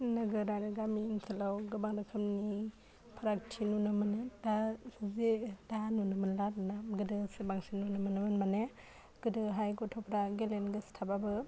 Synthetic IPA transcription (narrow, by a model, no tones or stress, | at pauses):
nɯɡɯɾaɾɯɡaminsalawɡɯbaŋɾɯkʰɯmni | pʰaɾak̚tʰinunɯmɯnedazedanunɯmɯnlatnaɡɯdɯsɯbaŋsinunɯmɯnɯmɯnmane | ɡ̥ɯdɯɦajɡɔtʰɔpʰɾaɡelenɡɯstʰababɯ